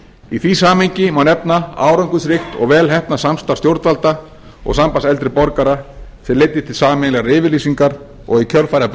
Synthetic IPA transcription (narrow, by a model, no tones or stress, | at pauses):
iθvisaːmeɲcɪmawnɛpnaa̰ːwɾawŋkʏsɾɪxt̪ɔ̰ɣvɛːlɦɛhpnasamst̪ḁst̪jowɾt̪valt̪a | ɔ̰ɣsampasɛlt̪ɾɪpɔɾkaɾaθɛlejt̪ːɪ̥t̪ʰɪlsaːmɪnlɛɣɾɪːvɪɾliːsiŋkaɾ | ɔ̰ɣicʰœlfajɾap